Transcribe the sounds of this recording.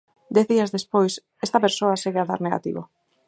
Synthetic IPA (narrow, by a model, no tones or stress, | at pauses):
d̪ɛθðiazðespojs | est̪ɐpeɾsoaseɣeaða̰ɾneɣa̰t̪ḭβo̰